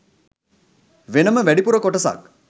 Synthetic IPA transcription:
ʋenəməʋæɖipuɾəkoʈəsa̰k

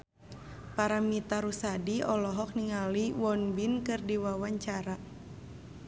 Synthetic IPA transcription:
paɾamit̪aɾusadiɔlɔɦɔk̚niŋaliwɔnbinkɨrdiwawaɲt͡ʃaɾa

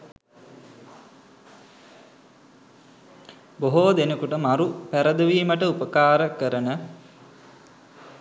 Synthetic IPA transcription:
boɦoːd̪enəkuʈəmaɾupæɾəd̪əʋiːməʈəupəkaːɾəkəɾənə

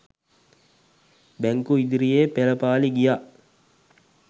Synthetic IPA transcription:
bæŋkuid̪iɾijeːpeləpaːliɡijaʔ

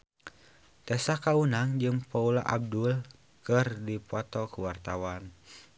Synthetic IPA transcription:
t̪ɛsakaunaŋd͡ʒɨŋpaula̰ʔa̰b̚dul | kɨrdipɔt̪ɔkuwart̪awan

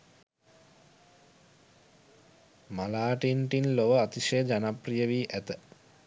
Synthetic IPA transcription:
malaːʈiɳʈinloʋəat̪iʃejəd͡ʒanaprijəʋiːʔæt̪ə

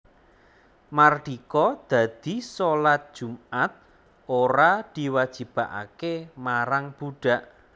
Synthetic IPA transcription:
marɖ̪̥ikɔd̪̥a̤d̪̥i̤solat̪̚d̥ʒ̥ṳmat̪̚ | oɾad̪̥i̤wad̥d͡ʒʒ̥i̤b̥aʔa̰kemaɾaŋb̥uɖ̥a̤ʔ

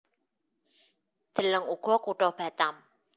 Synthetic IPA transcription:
d̪̥ə̤ləŋuɡ̥ɔkuʈɔhb̥a̤t̪am

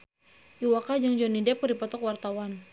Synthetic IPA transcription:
ʔiwakad͡ʒaŋd͡ʒɔnidɛp̚krdipɔt̪ɔkwart̪awan

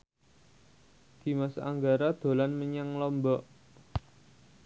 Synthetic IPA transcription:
d̪̥i̤masʔa̰ŋɡaɾad̪̥o̤lanməɲaŋlɔmbɔʔ

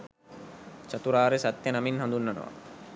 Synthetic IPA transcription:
t͡ʃat̪uɾaːɾesat̪jənaminɦãnd̪unːanə̰ʋa̰

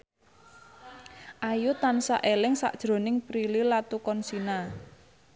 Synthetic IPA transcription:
ʔajut̪ansa̰ʔelɪŋsa̰ʔd̥ʒ̥ɾo̤nɪŋpɾililat̪ukɔnsina

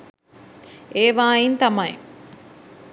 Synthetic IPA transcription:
eːʋaːjint̪ɐmɐj

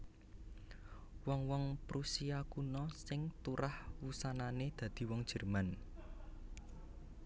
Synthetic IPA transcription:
wɔŋwɔŋpɾusiakunɔsɪŋt̪uɾahwusananed̪̥ä̤d̪̥i̤wɔŋd̥ʒ̥ɛ̤rman

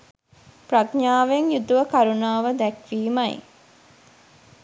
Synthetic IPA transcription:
praɡɲaːʋeŋjut̪uʋəkaɾunaːʋəd̪ɛkʋiːmɐj̰

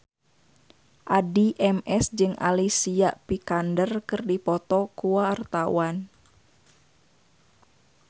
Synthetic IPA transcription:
ʔadiʔɛmɛsd͡ʒɨŋʔa̰lisiaʔpikandərkɨrdipɔt̪ɔkuwart̪awan

